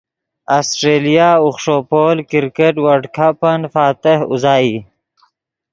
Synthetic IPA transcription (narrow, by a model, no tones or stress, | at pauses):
aːsʈɾeːlijaʊχʂoːpoːlkɪɾkeʈwaɖkʰapənfaːt̪ɪhʊ̰zɑːi